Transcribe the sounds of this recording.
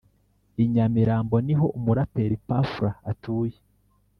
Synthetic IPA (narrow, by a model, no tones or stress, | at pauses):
iɲamiɾaːmbo̞niɦo̞ʔumuɾapeɾipafuɾaːtuːje